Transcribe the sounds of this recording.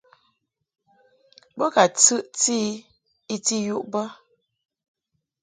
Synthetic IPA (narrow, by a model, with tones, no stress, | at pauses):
bə˦ka˨t͡sɨ˦ʔt͡si˦ | i˦ti˦ju˦˨ʔbə˦